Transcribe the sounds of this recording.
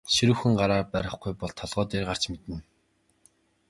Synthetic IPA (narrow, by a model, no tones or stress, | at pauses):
ʃiɾŭwxɘ̆ŋɢaɾaːrpæɾʲɪ̆χɡujpɔɮt̪ʰːɔɮʁɔːt̪eːrɢar̥t͡ɕmet̪ɘ̆n